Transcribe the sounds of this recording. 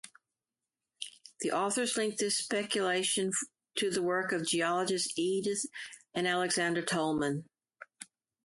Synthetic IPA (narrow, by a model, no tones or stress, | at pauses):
ðiʔɔθə˞zlɪ̃ŋk̚ðɪspɛkjɨleɪʃɨ̃n | tʰɨðəwɜ˞kʌvd͡ʒiɑlˠəd͡ʒɨstiɾðɨ̃nælˠɨɡzæ̃ndə˞tʰoʊlˠmə̃n